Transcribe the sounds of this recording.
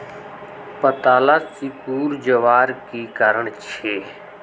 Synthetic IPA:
pət̪aːlaːsɪkuːɾd͡ʒəʋaːɾkiːkaɾəɳt͡ʃʰeː

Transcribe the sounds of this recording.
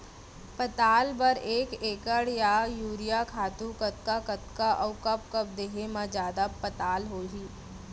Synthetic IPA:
pət̪aːlbɐɾeːkeːkəɽjajuːɾijakʰaːt̪ũkət̪̚kakɐt̪kaʔɐʊkɐp̚kɐp̚d̪eːɦemãd͡ʒjaːd̪apɐt̪aːlɦoːɦiː

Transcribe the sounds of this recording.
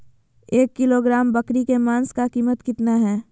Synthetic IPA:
eːkːɪloɡɾaːmbəkɾikemaːnskakiːmət̪kɪt̪naɦɛː

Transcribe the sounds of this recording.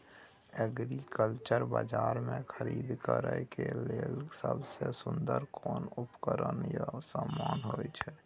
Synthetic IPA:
ɛɡɾikəlt͡ʃəɾbad͡ʒaːɾmẽkʰəɾiːd̪kəɾəkeleːlsəbsesʊ̃nd̪əɾkʰɔːnʊpkəɾənjasaːmːaːnɦoːt͡ʃʰɛ

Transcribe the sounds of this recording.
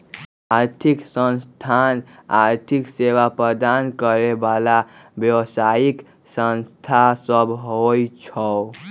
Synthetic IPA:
aɾt̪ʰiksənst̪ʰanaɾt̪ʰikseʋapɾəd̪ankəɾebalabjəwsaik | sənst̪ʰasəbʱɦojt͡ʃʰə

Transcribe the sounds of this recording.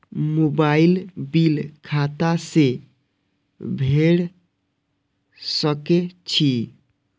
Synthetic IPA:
mobailbilkʰat̪ase | bʱeɽ | səket͡ʃʰi

